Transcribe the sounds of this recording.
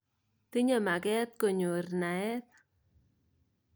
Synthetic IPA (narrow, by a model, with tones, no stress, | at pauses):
t̪i˦ɲa˨ma˨kɛ˦t̪̚ko˨ɲo˨rna˨ɛ˦t̪̚